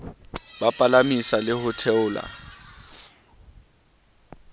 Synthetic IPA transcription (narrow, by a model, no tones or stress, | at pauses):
bapʼalamisalɪhʊtʰɛʊːla̰